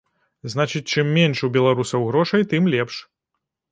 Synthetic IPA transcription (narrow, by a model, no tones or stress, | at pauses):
znat͡ʃɨt͡sʲt͡ʂɨmːʲɛnʂubʲɛlˠaɾusɐwɣɾɔʂɐjt̪ɨmlʲɛpʂ